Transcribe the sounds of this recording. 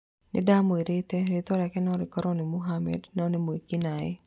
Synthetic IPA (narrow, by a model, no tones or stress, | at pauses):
nɪ̰damoiɾɪt̪ɛɾɪt̪ɔɾakɛnɔɾɪkɔɾɔnɪmuɦamɛ̰dnɔnɪmoikinaɛ̰